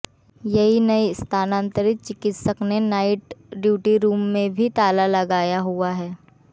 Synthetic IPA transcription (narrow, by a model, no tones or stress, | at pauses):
jɐɦinɐist̪ʰaːnãːnt̪əɾɪt̪̚t͡ʃɪkɪt̪səknenaːɪʈɖjuːʈiɾuːmːẽbʱit̪aːlalɐɡaːjaɦuaɦɛː